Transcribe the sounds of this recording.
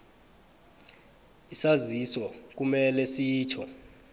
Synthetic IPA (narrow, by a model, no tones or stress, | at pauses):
isaziswɔk̬umɛlɛsiːt͡ʃʰɔ